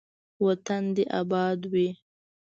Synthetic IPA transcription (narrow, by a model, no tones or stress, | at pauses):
wat̪and̪eʔabɑd̪wi